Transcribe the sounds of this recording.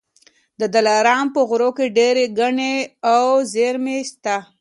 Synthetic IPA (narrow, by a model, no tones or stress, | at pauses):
d̪əd̪alaɾɑmpəɣʊɾokeɖeɾeɡaɳeawzeɾmest̪a